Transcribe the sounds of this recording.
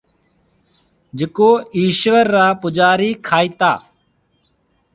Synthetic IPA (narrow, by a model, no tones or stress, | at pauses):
d͡ʒəkoːiːʃʋəɾːaːpʊd͡ʒaːɾiːkʰaːiːt̪a̰ː